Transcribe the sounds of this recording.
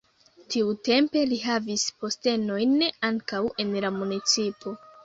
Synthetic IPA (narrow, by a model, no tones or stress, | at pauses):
tʰiute̞mpe̞liɦavispo̞ste̞no̞jnaŋkawe̞nlamunit͡sipo̞